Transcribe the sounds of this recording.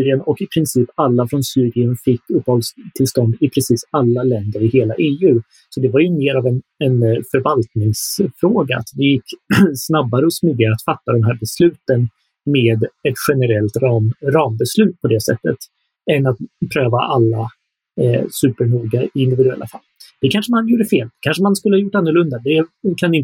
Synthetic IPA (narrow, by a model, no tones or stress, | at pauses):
syːɾɪənɔkɪpʰɾɪnsiːpalːafɾɔnsyːɾɪənfɪkːɵpːhɔld̪st̪ʰɪlst̪ɔnd̪ɪpʰɾɛsiːsalːalɛnd̪əɾɪheːlaʔeːʉ̟ː | sɔd̪ɛvaɾjɵmeːɾavɛnɛnfœɾvalt̪nɪŋsfɾoːɡa̰a̰t̪d̪ɛjɪkːsnabːaɾəɔsmyd̪ɪaɾəat̪fat̪ːad̪ɛmɦæːɾbɛslʉ̟ːt̪ən | meːd̪ɛt̪ɧɛnəɾɛlt̪ɾɑmɾɑːmbɛslʉ̟ːt̪̚pʰɔd̪ɛsɛ̰t̪ːət̪ | ɛnat̪̚pʰɾøːva̰ʔalːa | sʉ̟ːpəɳuːɡaɪɪnd̪ɪvɪd̪ɵɛ̰lːʔa̰fa̰lːd̪̥ɛkʰanʂəmanjuːɖəfeːlkʰanʂəmanskɵləhajʊʈːanːəɾɭɵnd̪ad̪ɛkʰanɪn